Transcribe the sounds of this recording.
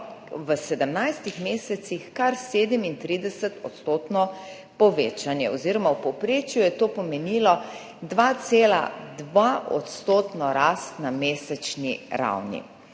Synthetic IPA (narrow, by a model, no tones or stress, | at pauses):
ʋəsɛd̪əmnajst̪ixmeːsɛt̪sixkaɾseːd̪əmint̪ɾiːd̪ɛsət̪ɔt̪st̪oːt̪nɔ | pɔʋeːt͡ʃanjɛɔziːɾɔmawpɔwpɾeːt͡ʃjujɛt̪oːpɔmɛniːlɔ | d̪ʋaːt̪sela̰d̪ʋaʔɔ̰t̪st̪oːt̪nɔɾast̪nameːsɛt͡ʃniɾa̰wnḭ